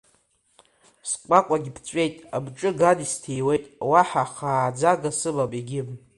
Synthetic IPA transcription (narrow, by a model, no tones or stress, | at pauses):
skʷakʷʼaɡʲipʰt͡ʃʷʼe̞jtʼabʈ͡ʂʼɨɡadistʰejwe̞jtʼwaħaχaːd͡zaɡasɨbapʼiɡʲɪm